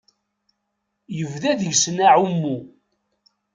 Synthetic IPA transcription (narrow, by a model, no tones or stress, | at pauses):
jəvðæðəʝsnaʕumːu